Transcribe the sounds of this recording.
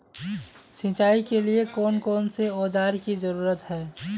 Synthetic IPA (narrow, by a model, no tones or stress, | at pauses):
sĩːt͡ʃaːikeliekɔːnkɔːnseoːd͡ʒaːɾkizəɾuːɾət̪ɦɛː